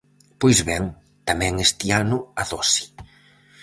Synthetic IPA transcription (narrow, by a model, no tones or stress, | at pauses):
pojzβɛŋ | t̪amɛ̃ŋest̪ianʊaðɔsi̥